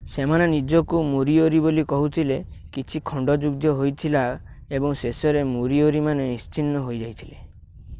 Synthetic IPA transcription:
semanenid͡ʒɔkumuɾioɾibolikɔɦut̪ʰilekit͡ʃʰikʰɔɳɖɔd͡ʒuɡd̪jɔɦojt̪ʰila | ebɔŋsesɔɾemuɾioɾimanenist͡ʃʰinːɔɦojd͡ʒajt̪ʰile

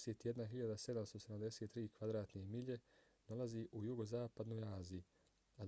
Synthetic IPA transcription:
seːt̪ijed̪naɦiʎad̪ase̞d̪amst̪ose̞d̪amd̪e̞set̪ːɾiːkʋad̪ɾaːt̪nemiʎe̞ | nolˠaziʔujuɡo̞zaːpad̪no̞ːjaːziju | a

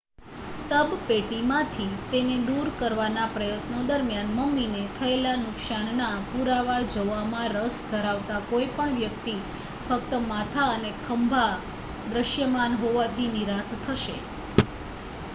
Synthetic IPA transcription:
səbpeʈimãt̪ʰit̪ened̪uɾkəɾʋanapɾəjət̪nod̪əɾmjanməmːinet̪ʰəelanʊksannapuɾaʋad͡ʒoʋamãɾəsd̪ʱəɾaʋt̪akoipəɳʋjək̚t̪i | fək̚t̪əmat̪ʰaənekʰəmbʱa | d̪ɾəʃjəmanɦoʋat̪ʰiniɾast̪ʰəʃe

